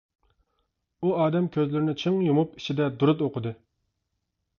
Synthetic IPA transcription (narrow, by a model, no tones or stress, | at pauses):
uɑːd̪ɛmkʲʰøzlɪɾɪnɪt͡ʃʰɨŋjumupi̥t͡ʃʰid̪ɛd̪uɾɨt̪oqʰəd̪ɨ